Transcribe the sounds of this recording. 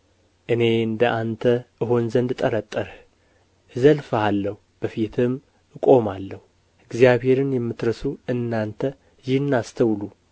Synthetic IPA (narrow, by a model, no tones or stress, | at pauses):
ʔɨne̞ɨnd̪əʔant̪ʰəʔɨɦonzənd̪t̪ʼːəɾət̪ʼːəɾh | zəlfalːəhub̥əfit̪ʰɨm | ɨkʼo̞malːəhu | ɨɡzijaβhe̞ɾɨnjɛmːɨt̪ɾəsuɨnːant̪ʰə | jɪhɨnːast̪ʰəwlu